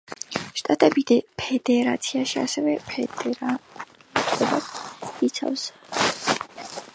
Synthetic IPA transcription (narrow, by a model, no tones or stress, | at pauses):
ʃt̪ʼat̪ʼɛbid̪ɛpʰɛd̪ɛɾat̪sʰiaʃia̰sɛvɛpʰɛd̪ɛɾa | tʼɛbaχit̪sʰa̰fs